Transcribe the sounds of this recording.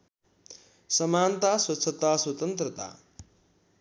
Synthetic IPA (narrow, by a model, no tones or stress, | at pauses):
sʌmaːnt̪aswʌtt͡sʰət̪aswʌt̪ʌnt̪rʌt̪a̰